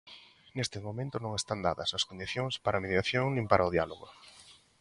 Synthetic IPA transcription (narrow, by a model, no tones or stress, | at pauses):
nest̪ɪmomẽnt̪ʊnõŋest̪and̪aðɐ̰sɐskond̪iθjoŋspaɾameðjaθjoŋnĩŋpaɾʔaʊðjaloɣo̰